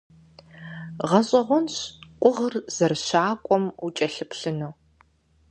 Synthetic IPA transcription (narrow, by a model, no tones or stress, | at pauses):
ʁɐɕʼɐʁʷɔnɕqʷʼʊʁərz̥ɐrɕaːkʷʼɔmut͡ʃʼɐɬɨpɬɨnoː